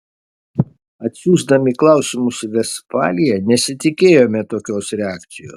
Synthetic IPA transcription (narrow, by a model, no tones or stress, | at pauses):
ɐt̪ʲsʲuːzd̪ɐmʲiklˠɑˑʊsʲɪmʊsʋʲɛspɑ̰ːlʲijɛnʲɛsʲɪt̪ʲɪkʲeːjoːmʲɛt̪oːkʲoːsɾʲɛɑːkt̪sʲɪjo̰ːs